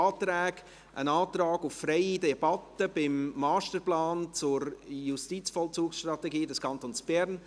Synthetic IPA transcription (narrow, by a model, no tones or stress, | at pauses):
tɾɛːɡ | ʔə̰naːt̪rɑːɡʊfːrɛɪidɛb̥ɑtəb̥ɪmːɑːstəɾplaːnt͡sʊɾjustit͡sfɔlt͡suːksʃtrɾɑtɛɡiːdɛskʰɑnt̪oːnsb̥ɛɾn